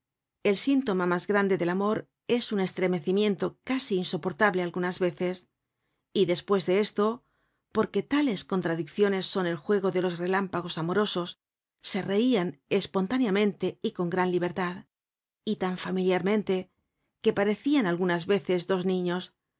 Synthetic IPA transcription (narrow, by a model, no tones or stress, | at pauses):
e̞lsint̪o̞mamazɣɾand̪e̞ðe̞lamo̞ɾ | e̞sune̞st̪ɾe̞me̞θimjẽ̞nt̪o̞kasiːnso̞po̞ɾt̪aβle̞alɣunazβe̞θe̞s | iðe̞spwe̞zðe̞e̞st̪o | po̞ɾke̞t̪ale̞sko̞nt̪ɾaðikθjo̞ne̞sːo̞ne̞lxwe̞ɣ̞o̞ðe̞lo̞sre̞lampaɣ̞o̞samo̞ɾo̞so̞sː | e̞re̞iane̞spo̞nt̪anjamẽ̞nt̪e̞iko̞ŋɡɾanliβ̞e̞ɾt̪að | it̪aɱfamiljaɾmẽ̞nt̪e̞ | ke̞paɾe̞θianalɣunazβe̞θe̞zd̪o̞znĩɲo̞s